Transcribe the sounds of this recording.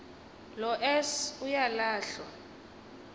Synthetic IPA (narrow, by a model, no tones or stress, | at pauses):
lɔʔɛsujalaːɬwa